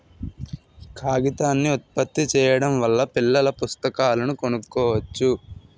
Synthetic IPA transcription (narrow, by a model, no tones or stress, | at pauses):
kʰaːɡit̪aːnːiut̪̚pɐt̪ːit͡ʃɛːjɐɽɐmʋɐlːɐpilːɐlɐpust̪ɐkaːlɐnuko̞nukːɔːʋɐt͡ʃːu